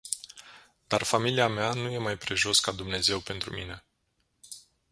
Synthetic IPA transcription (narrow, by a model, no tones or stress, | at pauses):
d̪̥arfamiliameanuje̞majpɾe̞ʒo̞skad̪umne̞ze̞wpe̞nt̪ɾumine̞